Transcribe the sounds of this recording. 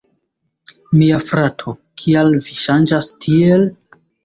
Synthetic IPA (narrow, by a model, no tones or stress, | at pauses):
miafɾatʰokʰialviʃand͡ʒastʰiel